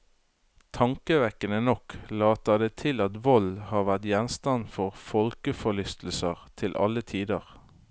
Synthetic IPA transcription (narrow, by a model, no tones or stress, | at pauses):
t̪ʰɑŋkəʋɛkənənɔklɑːt̪əd̪eːt̪ʰɪlɑt̪ʋɔlhɑːʁʋæʁt̪jɛnst̪ɑnfɔʁfɔlkəfɔlʏst̪l̩səʁt̪ʰɪlʔɑ̰lət̪ʰiːd̪əʁ